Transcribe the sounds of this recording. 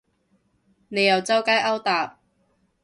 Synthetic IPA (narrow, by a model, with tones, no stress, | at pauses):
ne˨˧jɐ˨wt͡sɐ˥wkaː˥jʔɐ˥wt̪aː˨p̚